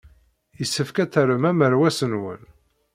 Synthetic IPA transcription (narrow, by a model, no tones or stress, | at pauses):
jəsːəfkæθəɾəmæməɾwæsənwə̰n